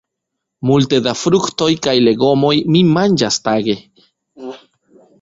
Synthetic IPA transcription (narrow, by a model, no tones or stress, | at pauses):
mult̪ed̪afɾukt̪ojkajle̞ɡo̞mo̞jmimand͡ʒast̪aɡe